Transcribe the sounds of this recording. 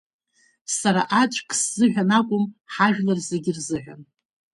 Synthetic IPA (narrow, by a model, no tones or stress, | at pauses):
saɾaʔat͡ʃʷʼkʼsz̥ɨʕᶣʷanakʷʼʊmħaʒᶣlarze̞ɡʲɪrzɨʕʷᶣa̰n